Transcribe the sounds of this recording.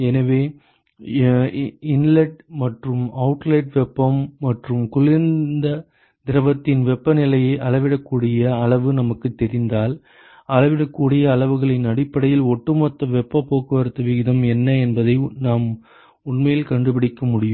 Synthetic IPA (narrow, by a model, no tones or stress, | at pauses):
ɛnɐʋeː | ɪnlɛʈ̚mɐʈrɯmɐʊʈlɐɪʈʋɛpːɐmːɐʈrɯmkʊɭɪnd̪ɐ | d̪ɪɾɐʋɐt̪ːɪnʋɛpːɐnɪlɐjɐɪʔɐɭɐʋɪɽɐkːuːɽɪjɐɐɭɐʋɯnɐmɐkːɯt̪ːɛɾɪnd̪aːl | ɐlɐʋɪɽɐkːuːɽɪjɐːɭɐʋɯɣɐɭɪnɐɽɪpːɐɽɐjɪlɔʈːɯmɐt̪ːɐʋɛpːɐpːoːkːɯʋɐɾɯt̪ːɐʋɪɣɪðɐmɛnːɐɛnbɐðɐɪnaːm | ʊɳmɐjɪlkɐɳɖɯpɪɽɪkːɐmʊɽɪjɯm